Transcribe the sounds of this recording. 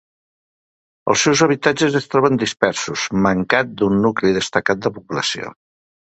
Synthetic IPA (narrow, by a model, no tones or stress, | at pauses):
ə̰lˠsewzəβ̞it̪ad͡ʒəzəst̪ɾɔβənd̪ispɛɾsuz̥məŋkat̪̚d̪unːukliðəst̪əkat̪̚d̪əpupuləsio̰